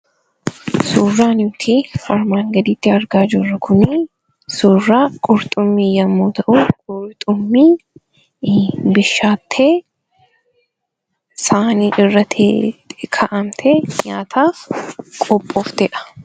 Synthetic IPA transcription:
suːrːaːnʊt̪ʰiːfɐɾmaːŋɡɐd̪iːt̪ːɪɐɾɡaːd͡ʒʊrːɐkʰʊni | suːrːaːkʼʊɾt̪ʼʊmːiːjɐmːoːt̪ɐʔukʼʊɾt̪ʼʊmːiː | bɪʃːaːt̪ʰːeː | saːniːʔɪrːɐt̪ʰḛkʰɐʔɐmt̪ʰeːɲaːt̪ʰaːkʼɔpʼːɔːft̪ɛᶑɐ̥

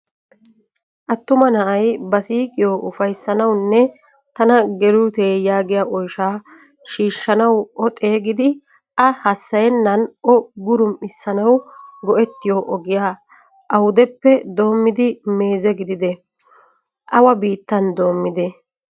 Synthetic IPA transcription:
ʔɐt̪ːʊmɐnɐʔɐjbɐsiːkʼɪjoːʔʊfɐjsːɐnɐwnːɛ | t̪ɐnɐɡɛluːt̪eːjaːɡɪjaʔɔjʃaː | ʃiːʃːɐnɐwɔt̪ʼe̞ːɡɪd̪ɪ | ʔɐhɐsːɐjɛnːɐnʔɔɡʊɾʊmɪsːɐnɐwɡɔʔɛt̪ːɪjoːʔɔɡɪjaː | ʔɐwʊd̪ɛpːɛd̪o̞ːmːɪd̪ɪme̞ːzɛɡɪd̪ɪd̪ɛ | ʔɐwɐbiːt̪ːɐnd̪o̞ːmːɪd̪ɛ

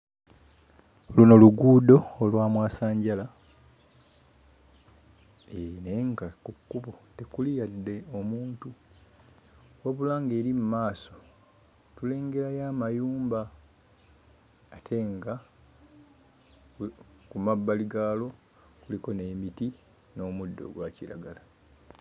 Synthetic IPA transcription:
oluno̞luɡuːdo̞ːlwaːmwaːsaːɲɟala | eneŋɡakukːuβote̞kulijadːe̞omuːntu | woβulaːŋɡe̞ːɾimumaːso̞ | tule̞ːŋɡe̞ɾajaːmajuːmba | tʰe̞ŋɡa | kumabːaliɡaːlo̞ | kuliko̞ne̞ːmiti | no̞ːmudːo̞̰ɡwaciɾa̰ɡala

